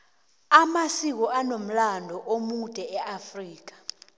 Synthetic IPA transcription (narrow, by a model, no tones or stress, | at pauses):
amasik̬ɔʔanom̩landʱɔʔomud̥ʱɛɛʔafriːk̬ḁ